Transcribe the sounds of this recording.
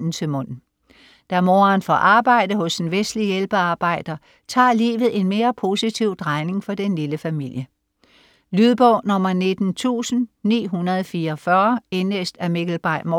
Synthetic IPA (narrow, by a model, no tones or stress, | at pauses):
n̩t͡sʰe̝lmɔ̽n̰n̩ | d̥æmo̝ːɐːnfɒʔɑ̈ːb̥ɑ̈ɪ̰d̥əɦɔ̽senʋesd̥lijelb̥əɑ̈ːb̥ɑ̈ɪ̰d̥ɐ | t͡sʰɑ̰̈ːlḭːʋð̞̩ˠe̝nme̝ːɐpʰo̝sit͡sʰiʊ̰d̥ʁɑ̈ɪne̝ŋfɒ̽d̥enliləfæmil̰jə | lyðˠb̥ɔʊ̰nɒ̽m̰ɐne̝d̥n̩t͡sʰṵːsn̩nḭːɦunɐðˠfiːɐfɶɐe̝nesd̥æme̝ɡ̥l̩b̥ɑ̈ɪ̰m